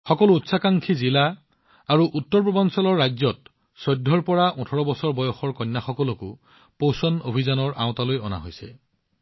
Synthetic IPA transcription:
xɔkɔlʊutsakaŋkʰizila | aɹuʔutːɔɹpɔbɔnsɔlɔɹːajzɔt̚ | sɔjdʱːɔɹpɔɹaʔũtʰɔɹɔbɔsɔɹbɔjɔxɔɹkɔnːaxɔkɔlʊkʊ̰ | posɔnobʱizanɔɹʔa̰w̃talojɔ̰na̰ɦojsɛ̰

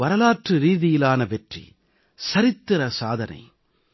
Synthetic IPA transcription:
ʋɐɾɐlaːʈrɯɾiːðɪjɪlaːnɐʋɛʈrḭ | sɐɾɪt̪ːɯɾɐsaːðɐnɐ̰ɪ

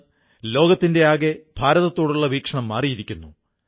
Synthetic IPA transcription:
lo̞ːɡɐt̪ːinde̞aːɡeb̥ʱaːɾɐðɐt̪ːo̞ːɽuɭːɐʋiːkʂɐɳɐmːaːrijiɾikʲːunːu

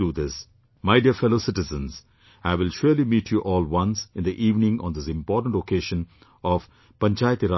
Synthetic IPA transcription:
uːd̪ɪs | maɪɖiəfɛloːsɪʈɪzə̃nz | aɪʋɪlʃʊːɾlimiːʈʰjuʔɔːlwʌ̃nsɪ̃nd̪iʔiːʋnɪ̃ŋɔ̰̃nd̪ɪsɪ̃mpɔːʈə̃ɳ̩ʈokeːʃə̃n | ɔʋ | pɐ̃ɲt͡ʃaːjt̪iɾa

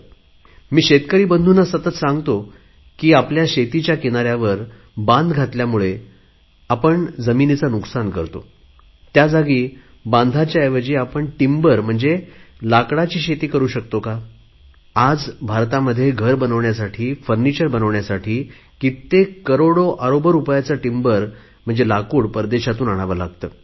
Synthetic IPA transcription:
miːɕet̪kəɾiːbənd̪ʱunəsət̪ət̪sãŋɡt̪o | kiːapljaɕet̪it͡ɕjakinaɾjaʋəɾ | bãnd̪ɡʱat̪ljamuɭe | apəɳd͡zəminit͡sanuksankəɾt̪o̰ | t̪jad͡zaɡiː | bãnd̪ʱat͡ɕjaeʋəd͡ʑiːapəɳʈimbəɾm̤əɳd͡zelakɽat͡ɕiːɕet̪iːkəɾuːɕək̚t̪oka | ad͡zbʱaɾt̪aməd̪ʱːjeɡʱəɾbənəʋɳjasaʈʰiːfəɾnit͡ɕəɾbənəʋɳjasaʈʰiː | kit̪ːekəɾoɽoʔaɾobəɾupjat͡səʈimbəɾ | m̤əɳd͡zelakuːɽpəɾd̪eɕat̪uːnaɽ̃aʋəɾlaɡ̚t̪əː

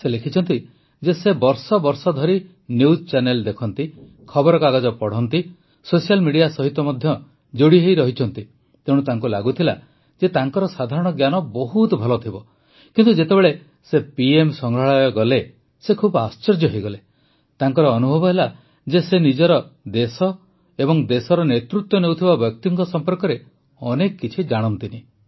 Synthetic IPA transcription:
selekʰit͡ʃʰɔnt̪i | d͡ʒesebɔɾsɔbɔɾsɔd̪ʱɔɾi | nuust͡ʃaneld̪ekʰɔnt̪i | kʰɔbɔɾɔkaɡɔd͡ʒɔpɔɽ̤ɔnt̪i | sosialmiɽijasɔɦit̪ːɔmɔd̪ʱjɔ | d͡ʒoɽiɦejɾɔɦit͡ʃʰɔnt̪i | t̪ẽut̪aŋkula̰ɡut̪ʰila̰ | d͡ʒet̪aŋkɔɾɔsad̪ʱaɾɔɽ̃ɔɡjanɔbɔɦut̪ɔbʱɔlɔt̪ʰibɔ | kint̪ud͡ʒet̪ebeɭe | sepiemsɔŋɡaɭajɔɡɔle | sekʰubast͡ʃeɾd͡ʒɔɦejɡɔle | t̪aŋkɔɾɔːnubʱɔbɔɦela | d͡ʒesenid͡ʒɔɾɔd̪esɔ | ebɔŋd̪esɔɾɔnet̪ɾut̪ːɔnewt̪ʰibabjɔk̚t̪iŋkɔsɔmpɔɾkɔɾe | ɔnekɔːit͡ʃʰid͡ʒaɽ̃ɔnt̪ini

